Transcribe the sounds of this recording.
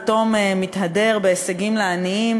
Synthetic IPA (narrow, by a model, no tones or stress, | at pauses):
to̞memithade̞ʁbeːseɡimleaniim